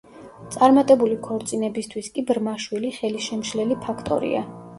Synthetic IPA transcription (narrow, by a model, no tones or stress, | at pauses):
t̪sʼaɾmat̪ʼɛbulikʰɔɾt̪sʼinɛbist̪ʰwiskʼibɾmaʃwiliχɛliʃɛmʃlɛlipʰakʰt̪ʼɔ̰ɾḭa̰